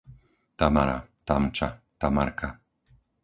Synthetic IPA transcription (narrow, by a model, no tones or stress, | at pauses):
t̪amaɾa̰t̪amt͡ʃa | t̪amaɾka